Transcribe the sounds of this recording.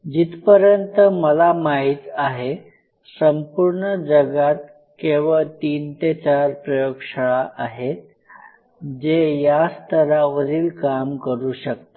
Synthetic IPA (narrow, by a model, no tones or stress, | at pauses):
d͡ʑit̪pəɾjənt̪əməlamaɦit̪aɦe | səmpuɾɳəd͡zəɡat̪̚ | keʋəɭt̪iːnt̪et͡ɕaɾpɾəjokʂəɭaʔaɦe | d͡ʑejast̪əɾaʋəɾiːlkamkəɾuːɕək̚t̪a